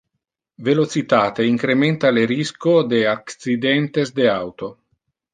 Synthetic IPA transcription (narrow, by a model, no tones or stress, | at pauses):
velot͡ʃit̪aːt̪eiŋkɾement̪aleɾiskod̪eaksid̪ɛnt̪ezd̪eawt̪o